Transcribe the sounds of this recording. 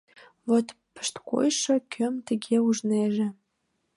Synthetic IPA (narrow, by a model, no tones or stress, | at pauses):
vot̪pə̥̆ʃt̪ko̰jʃɤ̆kʲʰømt̪ə̆ɣeuʒneʒĕ